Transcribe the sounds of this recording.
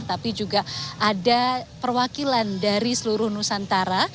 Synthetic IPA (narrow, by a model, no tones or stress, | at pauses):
rt̪apid͡ʒuɡaʔadapərwakilandaɾisəluɾʊhnusant̪aɾa